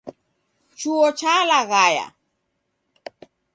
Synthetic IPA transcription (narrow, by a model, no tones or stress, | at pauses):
t͡ʃuɔt͡ʃalaɣaja̰